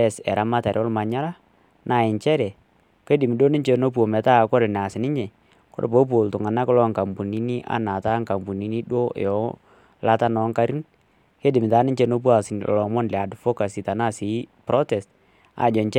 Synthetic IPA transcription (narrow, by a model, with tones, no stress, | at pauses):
ɛ˨sɛ˨ɾa˦ma˦ta˨ɾɔ˦lma˨ɲa˦la˦ | nʔa˦˨ɪ˨ɲt͡ʃɛ˦ɾɛ˨ | ke˦dɪ˨mi˨do˦nɪ˦ɲt͡ʃe˦no˦p̬u˨o˨mɛ˨ta˦˨kɔ˦ɾɪ˨n˨a˨sɪ˨nɪ˦ɲɛ˨ | kɔ̰˦ɾpo˨˦p̬o˨ltʊ˨ŋa˨na˦kɔ˦lɔ˦ŋka˨mpu˨ni˦ni˦ʔa̰˨˦na˨ta˦ŋka˨mbu˨ni˨ni˦ɗwo̰˦˨ɔ˦ | la˦ta˦nɔ˨˦ŋka˦ɾi˦n | ke˦dɪ˨mɪ˨ta˨˦nɪ˦ɲt͡ʃe˦no˦p̬u˦a˦˨sɪ˨nɔ̰˨lɔ˨mɔ˦nlɛ˨a˨dfɔ˦ka˨si˨ta˨na˦˨si˨˦pɾɔ˦tɛ˨st | a̰˨d͡ʒɔ˨nt͡ʃɛ˦